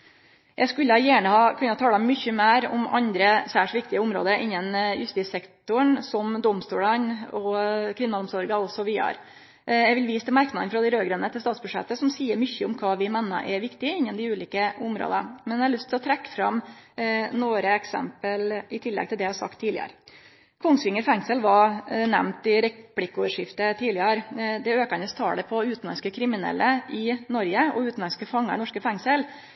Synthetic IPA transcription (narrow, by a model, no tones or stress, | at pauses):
jʔæɡskʉlːəhɑjæːɳəhɑkʰʉnːəɑt̪ʰɑːləɛmʏçːəmæːɾɔ̰mɑnd̪ɾəsæːʂʋɪkt̪ɪəʊmɾo̰ːd̪əɾʔɪnːənjʉst̪iːsɛkt̪ʊɳsɔmd̪ɔmst̪uːlɑnɔkʰɾɪnːɑlɔmsɔɾɡɑɔsɔʋiːɑ̰ɾ | jæɪɡʋɪlʋiːst̪ɛmæɾknɑənəfɾɑd̪ɛɾøːɡɾɛːnət̪ʰɪlst̪ɑːt̪sbʉʂɛ̰t̪ːəsɔmsiːəɾmʏçːəʊmkʰɑːʋɪmɛnːə̰ʔɛɾʋɪkt̪ɪɪnːənd̪ɪʉːliːkəʊmɾo̰ːd̪əmɛnɛhɑɭʉst̪ʰɪlɔt̪ʰɾɛkːə̥fɾɑm | noːɾəɛksɛ̰mpəlɪt̪ʰɪlːɛ̰ɡ̚t̪ɪld̪ɛjæhɑsɑ̰kt̪ʰːiːlɪ̰ə̰ɾ | kʰʊŋːsʋɪŋːəɾfɛŋsəlʋɑɾnæmnt̪ɪɾɛplɪkːɔʋəʂɪft̪ət̪ʰiːlɪəɾd̪ɛøːkəɑnəst̪ʰɑ̰ːlɛpʰɔʉːt̪n̩lɑ̰skəkʰɾɪmɪnɛ̰lːəʔɪnɔɾjəɔ̰ʉːt̪n̩lɑskəfɑŋːɑnɔʂkəfɛŋsəl